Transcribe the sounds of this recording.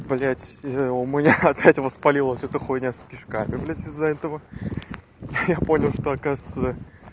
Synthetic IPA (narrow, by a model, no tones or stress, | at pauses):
blʲætʲʊmʲnʲaɐpʲætʲvəspɐlʲilˠəsʲɛt̪əxojnʲaspʲɪʂkamʲɪblʲætʲɪzːɐɛt̪əvə | japo̞nʲɪlˠʂt̪oɐkazt̪ə